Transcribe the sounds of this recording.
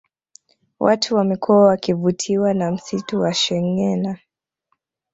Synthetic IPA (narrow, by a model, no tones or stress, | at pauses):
wʔatʰuwamikʰɔawakivutʰiwanam̩situwaʃɛŋɛna